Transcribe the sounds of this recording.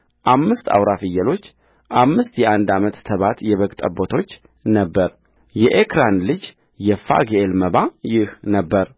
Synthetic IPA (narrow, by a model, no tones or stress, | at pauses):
ʔamːɨst̪a̰wɾafɨjːɛlo̞t͡ʃː | ʔamːɨst̪jɛʔand̪amət̪ːʰəβat̪jɛβəɡt̪ʼə̰bot̪ʰo̞t͡ʃː | nəbːəɾ | jɛʔekɾanlɨd͡ʒ | jɛfa̰ɡeelməbajɪhnəbːəɾ